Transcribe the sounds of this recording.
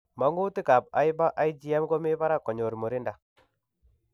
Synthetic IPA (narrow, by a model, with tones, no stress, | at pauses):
ma˦ŋɡu˦tɪ˦ka˨p̚a̰˦jba˦ʔa˦i˦d͡ʒi˦a˦mɡɔ˦mɪ˦ba˦ɾa˦kɔ˨ɲo˨ɾmo˨ɾɪ˦nda˨